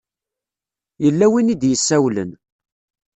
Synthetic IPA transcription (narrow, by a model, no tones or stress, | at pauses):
jəlːæwinid̪jəsːæwlə̰n